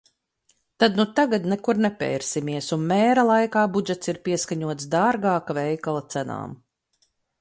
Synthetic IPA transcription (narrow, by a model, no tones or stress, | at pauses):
t̪ad̪nut̪aɡad̪nɛkuɾnɛpʲɛ̰jɾsimiɛsunmɛːɾalˠajkaːbud͡ʒɛt̪siɾpʲiɛskaɲuɔt̪sd̪aːɾɡaːkavɛjkalˠat̪sæna̰ːm